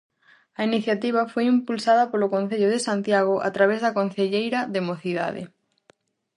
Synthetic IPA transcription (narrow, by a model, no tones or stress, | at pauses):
ɐiniθjat̪iβ̞afojimpulsað̞ɐpolokõn̟θeʎoð̞esant̪jaɣ̞oʔa̰t̪ɾaβ̞ezðakon̟θeʎejɾɐðemoθiða̰ðḛ